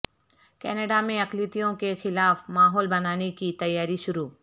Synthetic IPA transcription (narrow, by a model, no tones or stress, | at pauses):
kɛːneɖamẽɐklit̪ijõkexɪlaːfmaːɦɔːlbɐnaːnekit̪ɐjːaːɾiʃʊɾuː